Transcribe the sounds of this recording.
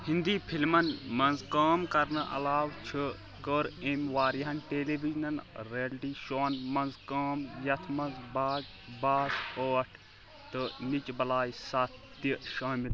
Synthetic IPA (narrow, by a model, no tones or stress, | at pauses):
hĩnd̪iːpʰilmɐnmɐnzkaːmkɐɾnɨʔɐ̰laːʋt͡ʃʰɨ | kəɾemʋaːɾiɦɐnʈeːleːbid͡ʒnɐnɾiɐlʈiːʃoːnmɐnzkaːmjɐt̪ʰmɐnzbaːɡ | baːsoːɐʈʰ | t̪ɨnit͡ʃbɐlaːjsat̪iʃaːmil